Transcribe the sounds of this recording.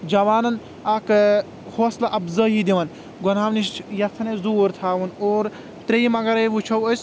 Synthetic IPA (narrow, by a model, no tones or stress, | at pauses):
d͡ʒɐʋaːnɐn | ɐk | hoːslɐʔɐbzɐɦid̪iʋɐn | ɡɔnaːmniʃt͡ʃʰjɐt̪ʰɐnɐzuːɾt̪ʰaːʋunoːɾ | t̪ɾejmɐɡɐɾɐjʋut͡ʃʰɐwəs